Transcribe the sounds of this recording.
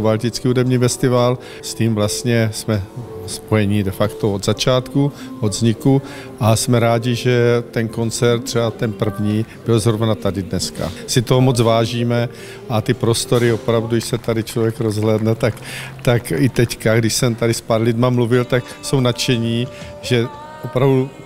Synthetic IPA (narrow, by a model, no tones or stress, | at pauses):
balcɪt͡skiːudɛmɲiːfɛst̪ɪval | sciːmvlast̪ɲɛsmɛspo̞jɛɲɪdɛfakt̪ood̪zat͡ʃaːt̪ku | ʔod̪zɲɪku | ʔasmɛɾaːɟɪʒɛt̪ɛnko̞nt͡sɛɾt̪̚t̪ːr̥ɛbat̪ɛnpr̩vɲiːb̥ɪlzɾovanat̪adɪdnɛska̰sɪt̪oɦomot͡svaːʒiːmɛ | ʔat̪ɪpɾo̞st̪o̞ɾɪopɾavduɛʃsɛt̪adɪt͡ʃlo̞vjɛkɾo̞zɦlɛːdnɛt̪akt̪akɪt̪ɛckaɡdɪʃsɛmt̪adɪspaɾlɪdmamluvɪlt̪ak | so̞wnat͡ʃɛɲiː | ʒɛ | ʔopɾavdu